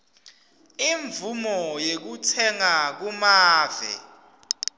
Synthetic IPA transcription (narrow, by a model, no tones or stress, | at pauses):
iɱvumɔjek̬utʰɛŋak̬umaːvɛ̰